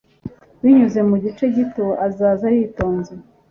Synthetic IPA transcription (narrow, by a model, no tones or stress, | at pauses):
wiɲuze̞muɟit͡ʃe̞ɟitoʔazaːzaɾito̞ːnzi